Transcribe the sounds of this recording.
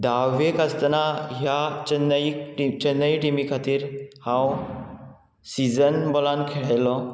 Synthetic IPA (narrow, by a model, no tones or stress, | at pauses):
d̪aʋekast̪naɦjat͡ɕənːikʈit͡ɕənːəiʈimikʰat̪iːɾhãw | sid͡zənbɔlãnkʰeɭajlɔ